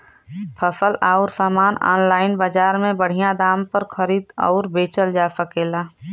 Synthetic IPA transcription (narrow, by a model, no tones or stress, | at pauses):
pʰəsəlaːɔɾsaːmaːnɔ̰ːnlaːɪnbaːd͡ʒaːɾmẽbəɽ̤ijãd̪aːmpəɾkʰəɾiːd̪ɔ̰ːɾbeːt͡ʃəld͡ʒaːsəkeːlaː